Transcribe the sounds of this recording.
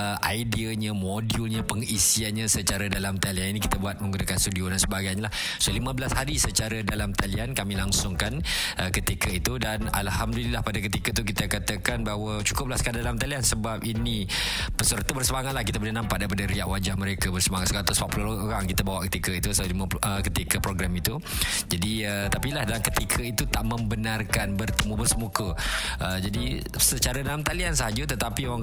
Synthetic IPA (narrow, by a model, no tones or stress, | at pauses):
ʔaidiəɲə̃modiulɲə̃pəŋisianɲãsət͡ʃaɾədalamt̪alianinikit̪əbuat̪̚mə̃ŋɡunakanst̪udiodansəbaɡajɲalah | solimə̃bəlashaɾisət͡ʃaɾədalamt̪aliankamĩlaŋsʊŋkanʔəkət̪ikəit̪udana̰lhamdulilahpadak̬ət̪ikət̪uk̬it̪əkat̪əkanbaɦwət͡ʃu̥kʊp̚laskandalamt̪aliansəbap̚ini | pəsərt̪ubərsəmaŋat̪̚lahkit̪əbulənampat̪̚daipadəɾiaʔwad͡ʒahməɾekəbərsəmaŋat̪səɾat̪ʊspapulolooɾaŋkit̪əbawaʔkət̪ikəit̪usliməəkət̪ikəpɾoɡɾamit̪u | d͡ʒadiət̪apilahdalaŋkət̪ikʰəit̪ut̪aʔmə̃mbənarkanbərt̪əmubərsəmukəʔəd͡ʒadi | sət͡ʃaɾədalamt̪aliansaɦad͡ʒət̪ət̪apioaŋ